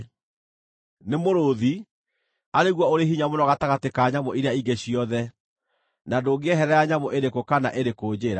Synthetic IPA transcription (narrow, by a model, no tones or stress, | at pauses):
nemoɾoði | aɾeɣwɔoɾeɦiɲamonɔɣataɣatekaɲamoiɾeaiɡeɕiɔðɛ | nadoɡeɛɦɛɾɛjaɲamoʔeɾekokana̰ʔeɾekoːd͡ʑeːɾa